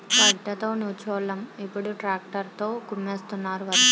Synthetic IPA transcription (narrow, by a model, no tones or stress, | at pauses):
kɐɖːɐt̪o̞ːnuːt͡ʃɔːlɐmipːuɽuʈɾaːk̚ʈɐɾt̪o̞ːkumːeːst̪unːaːɾuʋɐ